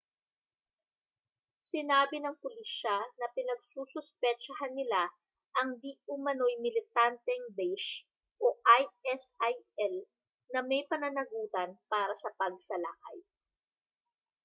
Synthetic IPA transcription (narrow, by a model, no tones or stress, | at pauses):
sɪnaːbɪnɐŋpʊliʃɐnɐpɪnɐɡ̚susʊspɛt͡ʃɐɦanːɪla | ʔɐŋd̪iʔʊmɐno̞jmɪlɪt̪ant̪ɛŋbɛjʃ | ʔoʔajɛsajɛl | nɐmɐjpɐnɐnɐɡuːt̪ɐnpaːɾɐsɐpɐɡ̚sɐla̰ka̰j